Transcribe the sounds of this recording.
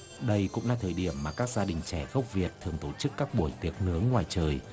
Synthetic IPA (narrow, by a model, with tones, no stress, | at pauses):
ɗə˧jkʊ̰˧˥ŋ͡mlaː˧t̪ʰəː˨˩jɗi˧˩əmːaː˨˩kaː˦˥k̚zaː˧ɗï˨˩ŋ̟t͡ɕɛ˧˩ɣə˦˥wk͡p̚vi˨˩ət̚t̪ʰɨ˨˩əŋt̪o˧˩t͡ɕɨ˦˥kːaː˦˥k̚ɓu˧˩əjt̪i˨˩ək̚nɨ˨˦əŋːwaː˨˩jt͡ɕəː˨˩j